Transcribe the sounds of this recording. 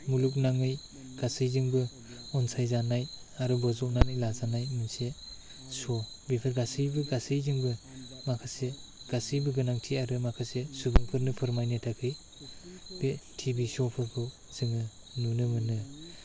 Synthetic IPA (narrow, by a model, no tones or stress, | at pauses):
muluk̬̚naŋɯj | ɡ̥asɯjzɯŋbɯ | ɔnsʰajzanaj | aɾɯbɔzɔk̚nanɯjlazanajmɯnse | sɔ | bepʰɯɾɡasɯjbɯɡasɯjzɯŋbɯ | makʰaseɡ̥asɯjbɯɡɯnaŋtʰiaɾɯmakʰasesubɯŋpʰɯɾnɯpʰɯɾmajnɯtʰakʰɯj | b̥etʰibisɔpʰɯɾpʰɯ | z̥ɯŋɯ | nunɯmɯnɯ